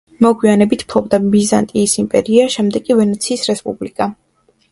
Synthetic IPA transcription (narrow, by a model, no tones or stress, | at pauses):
mɔɡwianɛbit̪ʰpʰɾɔbd̪abiza̰nt̪ʼiːsimpʼɛ̰ɾiaʃɛmd̪ɛkʼivɛnɛt̪sʰiːsɾɛspʼṵblikʼa